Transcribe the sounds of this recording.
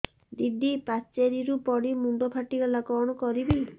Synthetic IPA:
d̪id̪ʱipat͡ʃeɾiɾupɔɽimuɳɖɔpʰaʈiɡɔlakɔɽ̃ɔkɔɾibi

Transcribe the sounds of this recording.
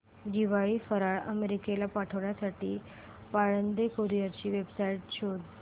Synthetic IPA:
d̪iʋaɭiːfəɾaɭəmeɾikelapaʈʰəʋɳjasaʈiː | paɭənd̪ekoɾijat͡ɕiːʋebsaiʈ̚t͡ɕʰod̪

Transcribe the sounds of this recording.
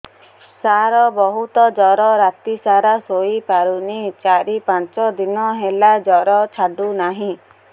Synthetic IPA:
saɾɔbɔɦut̪ɔd͡ʒɔɾɔɾat̪isaɾasoipaɾunit͡ʃaɾipãnt͡ʃɔd̪inɔɦelad͡ʒɔɾɔt͡ʃʰaɖunaɦĩ

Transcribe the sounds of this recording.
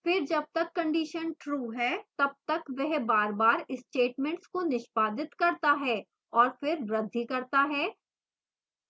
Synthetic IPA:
fɪɾd͡ʒɐb̚t̪ɐkːɐ̃ɳɖiʃənʈɾuːɦɛːt̪ɐb̚t̪ɐkʋɛɦbaːɾbaːɾɪsʈeːʈmɛ̃ɳʈskonɪʃpaːd̪ɪt̪kɐɾt̪aɦɛː | ɔːɾfɪɾɾɐd̪ʱːikɐɾt̪aɦɛː

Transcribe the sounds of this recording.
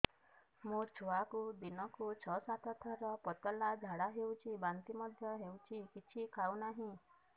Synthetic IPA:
mut͡ʃʰoakud̪inɔkut͡ʃʰɔsat̪ʰɔt̪ʰɔɾɔpɔt̪ɔlad͡ʒʱaɽaɦewt͡ʃʰibant̪imɔd̪ʱjɔɦewt͡ʃʰikit͡ʃʰikʰawnaɦĩ

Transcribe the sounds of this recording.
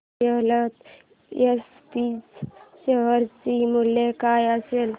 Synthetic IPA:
elət̪ | es | piːt͡sɕeɦəɾt͡ɕimulːekajəsel

